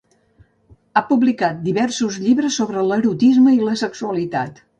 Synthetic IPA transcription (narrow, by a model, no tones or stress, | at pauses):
apuβlikat̪̚d̪iβɛrsuzʎiβɾəsːoβɾələɾut̪izməiləsəksuəlit̪at̪